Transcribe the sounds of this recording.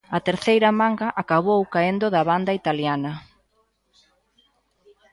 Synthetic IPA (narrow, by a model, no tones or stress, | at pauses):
ɐt̪eɾθejɾɐmaŋɡɐʔakaβowkaend̪ʊðɐβand̪ɐit̪aljanɐ